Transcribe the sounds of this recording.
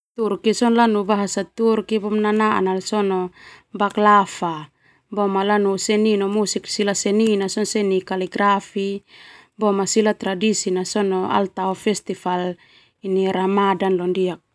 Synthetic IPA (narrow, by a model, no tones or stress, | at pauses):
t̪urkisɔnlanubaɦasat̪urkibɔmnanaʔa̰nalsɔnɔbaklafa | bɔmalanusɛninɔmusiksilasɛninasɔnsɛnikaliɡɾafi | bɔmasilat̪ɾadisinasɔnɔa̰lt̪aɔfɛst̪ifal | iniɾamadanlɔndiak̚